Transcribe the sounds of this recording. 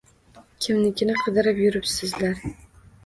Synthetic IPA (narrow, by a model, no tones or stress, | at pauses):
kʲʰɪmnɪkʲɪnɪqʰɨd̪ɪɾɪpjʊɾɪpsɪzlaɾ